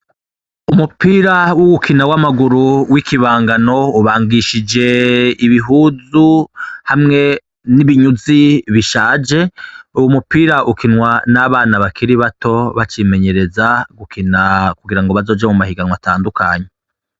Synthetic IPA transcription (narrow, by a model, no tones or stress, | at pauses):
umupiːɾawuɡukʰinawamaɡuɾuwikʰiβaːŋɡano̞uβaːŋɡiʃid͡ʒe̞iβiɦuzuhamŋe̞ | niβiɲuziβiʃaːd͡ʒe̞uwumupiːɾaʔukinŋwanaβaːnaβakʰiɾiβato̞βat͡ʃime̞ɲe̞ɾe̞zaɡukʰinakuɡiɾaŋɡo̞βazo̞ːd͡ʒamumahiɡanwataːndukʰaːɲe